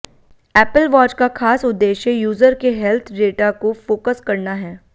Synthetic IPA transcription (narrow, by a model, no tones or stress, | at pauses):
ɛːpəlʋaːt͡ʃkakʰaːsʊd̪ːeːʃejuːzəɾkeɦɛlt̪ʰɖeːʈakofoːkəskɐɾnaɦɛː